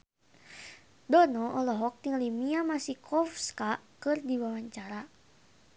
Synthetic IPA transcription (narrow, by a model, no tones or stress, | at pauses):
dɔnɔʔɔlɔɦɔk̚t̪iŋlimiamasihkɔfskakɨrdiwawaɲt͡ʃaɾa